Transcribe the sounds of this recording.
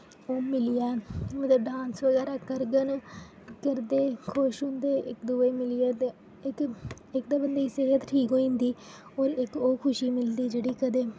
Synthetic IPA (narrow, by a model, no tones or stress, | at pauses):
oːmɪlɪjaːmət̪ləbɖãːnsʋəɡɛːɾaːkəɾɡən | kəɾd̪eːkʰʊʃɦʊ̃nd̪eːʔɪkd̪uːeːmɪlɪjaːt̪ː | ɪk | ɪk̚d̪aːbənd̪eːseːɦət̪ʈʰiːkɦoːĩːnd̪iː | oːɾɪkoːkʰʊʃiːmɪld̪iːd͡ʒeːɽiːkəd̪eː